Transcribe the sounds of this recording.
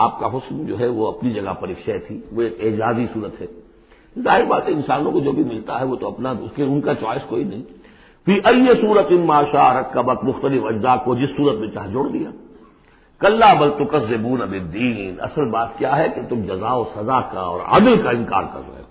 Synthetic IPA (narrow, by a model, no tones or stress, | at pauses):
aːp̚kaɦʊsmd͡ʒoːɦɛʋoɐpnid͡ʒɐɡa̰pɐɾiːkʃat̪ʰiːʋoeːkeːd͡ʒaːzisuːɾət̪ɦɛː | zaːɦɪɾibaːt̪eɪnsaːnõkod͡ʒoːbʱimɪlt̪aɦɛʋoːt̪oɐpnaʊskeʊnkat͡ʃɔːɪskoːinɐɦĩ | fiːʔɐjjesuːɾət̪ɪnmaːʃaːɾɐkːɐbɐk̪mʊxt̪əlɪfɐd͡ʒzaːkod͡ʒɪsːuːɾət̪mẽt͡ʃaːɦd͡ʒʊɽd̪ija̰ː | kɐlːaːbɐlt̪ʊqɐzːɪbuːnɐbɪd̪ːiːnɐ̰səlbaːt̪kjaːɦɛket̪ʊmd͡ʒɐzaːosɐzaka̰ɔ̰ːɾa̰ːd̪əlkaɪ̃nka̰ːɾkɐ̰ɾo̰ḛː